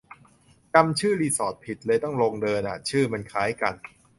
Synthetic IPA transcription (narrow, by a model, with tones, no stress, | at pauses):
t͡ɕa˧mt͡ɕʰɯː˥˩liː˧sɔː˨˩t̪̚pʰi˨˩t̪̚lɤː˧jt̪ɔ˥˩ŋloː˧ŋdɤː˧nʔa̰˨˩t͡ɕʰɯː˥˩ma˧nkʰaː˩˦˥jka˧n